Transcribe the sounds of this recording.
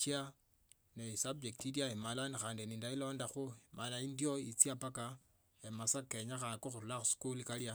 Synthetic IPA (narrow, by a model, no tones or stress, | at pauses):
t͡ʃia | nesab̚d͡ʒektiljaemalanixaːndiniːndailo̞ːndaxumalaindjo̞it͡siapaka | emasake̞ɲaxakoxuɾulaxuskulikalja